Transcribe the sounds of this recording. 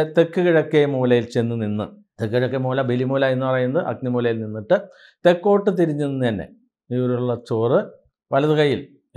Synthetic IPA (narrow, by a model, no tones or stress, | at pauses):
t̪e̞kːɨkiɻɐkːemuːlɐjilt͡ɕe̞nːɨninːɨ | t̪ekːɨkɐɻɐkːemuːlɐbelimuːlae̞nːɨpɐrɐjunːɐðʔɐ̰k̚nimuːlɐjilninːiʈːɨ | t̪e̞kːo̞ːʈːɨt̪̬iɾiɲːuninːt̪ɐnːḛ | iʋɾuɭːɐt͡ɕoːrɨ | ʋɐlɐðukɐjːil